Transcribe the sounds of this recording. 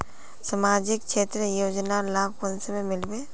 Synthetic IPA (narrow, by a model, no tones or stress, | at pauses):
səmaːd͡ʒɪk̚t͡ʃʰeːt̪ɾəjoːd͡ʒnaɔɾlaːkʰwənsəmẽmɪlbe